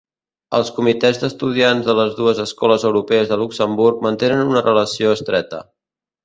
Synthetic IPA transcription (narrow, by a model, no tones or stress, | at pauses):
ə̰lˠskumit̪ɛzd̪əst̪uð̞ianzðələzðuəzəskɔləzəwɾupɛəzðəluksəmburk̚mənt̪enənunərʔələsioəst̪ɾɛt̪ə̰